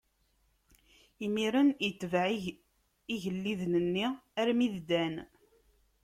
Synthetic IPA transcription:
imiɾənjət͡s̪ːvʕ | iʝəlːiðnənːiæɾmiðd̪æn

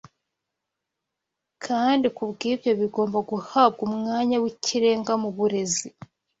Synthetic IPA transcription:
kʰaːndikuβɡiːβjo̞βiɡo̞ːmbaɡuhaβɡumŋaːɲawiciɾe̞ːŋɡamuβuɾe̞zi

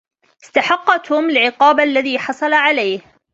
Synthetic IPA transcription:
ʔɪst̪aħɑqːɑt̪ʊmɪlʕɪqɑːbaʔlːaðiːħɑsˤɑlaʕalajh

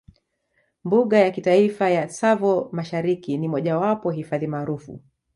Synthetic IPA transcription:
mbuɠajakitaifajasavɔmaʃaɾikinimɔʄawapɔɦifaðimaːɾufṵ

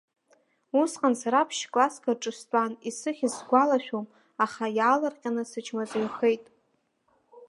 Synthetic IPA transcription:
usqʼansaɾapʰʃkʼlaskʰarʈ͡ʂʼɨstʼanisɨχʲizɡʷalaʃᶣom | aχajaːlarqʲʼanɨsɨt͡ʃʰmazejχe̞jtʼ

